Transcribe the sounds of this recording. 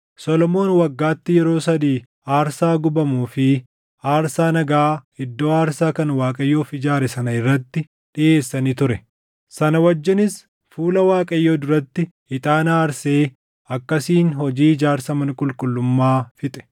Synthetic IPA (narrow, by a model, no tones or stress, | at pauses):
sɔlɔmo̞ːnwɐɡːaːt̪ːɪjɛɾo̞ːsɐd̪iː | aːɾsaːɡʊbɐmuːfɪ | aːɾsaːnɐɡaːɪd̪ːo̞ːaːɾsaːkɐnwaːkʼɐjːo̞ːfɪd͡ʒaːɾɛsɐnɐɪrːɐt̪ːɪ | ᶑɪʔe̞ːsːɐniːt̪ʊɾɛ | sɐnɐwɐd͡ʒːɪnɪs | fuːlɐwaːkʼɐjːoːd̪ʊɾɐt̪ːɪ | ɪt̪ʼaːnaːɾseː | ɐkːɐsiːnɦɔd͡ʒiːd͡ʒaːɾsɐmɐnkʼʊlkʼʊlːʊmːaːfɪt̪ʼɛ̥